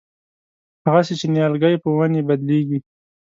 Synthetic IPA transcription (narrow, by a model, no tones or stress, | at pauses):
haɣaset͡ʃenjɑlɡajpəwanebad̪leɡi